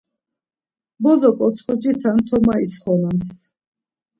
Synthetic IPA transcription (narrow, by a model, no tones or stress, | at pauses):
bɔzɔkʼɔt̪sʰχɔd͡ʒit̪ʰant̪ʰɔmait̪sʰχɔnams